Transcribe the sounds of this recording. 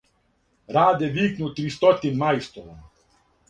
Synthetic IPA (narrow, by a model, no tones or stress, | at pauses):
ɾaːd̪ɛʋiːknut̪ɾist̪ɔt̪inmajst̪ɔʋɔm